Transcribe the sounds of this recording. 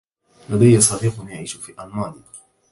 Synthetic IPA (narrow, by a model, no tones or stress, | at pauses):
lad̪ajːasˤɑːɾiːqʊnjaʕiːʃʊfiːʔalmaːɾ